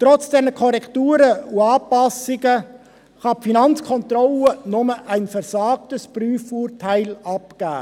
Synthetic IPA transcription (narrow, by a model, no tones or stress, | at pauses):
tɾɔt͡sd̥ɛnəkʰɔɾɛktuːɾəuɑːpɑsɪɡə | χɑpfinɑnt͡skʰɔntrɔlənʊməʔæɪnfɛɾsɑːk̚təspryːfuːɾtʰæɪlɑpɡ̥æ̰ː